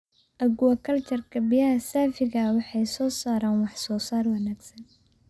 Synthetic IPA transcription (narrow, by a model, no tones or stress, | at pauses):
ʔɐɡʊwɐkʰɐlt͡ʃɐrkʰɐbɪjɐɦɐsaːfɪɣɐwɑħɑjsɔːsaːɾaːnwɑħsɔːsaːrwɐnaːɡsɐn